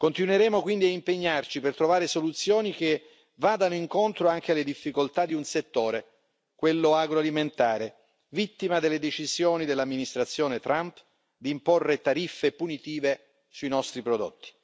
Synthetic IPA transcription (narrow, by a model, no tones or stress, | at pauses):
kont̪inweɾɛːmokwind̪iaimpeɲːart͡ʃipert̪ɾovaːɾesolut̪sːjoːnik̟e | vaːd̪anoiŋkont̪ɾoaŋk̟ealːed̪ifːikolt̪ad̪iunset̪ːoːɾe | kwelːoaɡɾoaliment̪aːɾe | vit̪ːimad̪elːed̪et͡ʃizjoːnid̪elːamːinist̪ɾat̪sːjɔːnet̪ɾʔamp | d̪imporːet̪aɾifːepunit̪iːve | suinɔst̪ɾipɾod̪o̰t̪ːi̥